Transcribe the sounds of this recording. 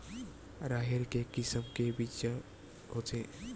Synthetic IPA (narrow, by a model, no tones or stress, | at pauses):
ɾaːɦeɾkekɪsəmkebit͡ʃa | ɦotʰe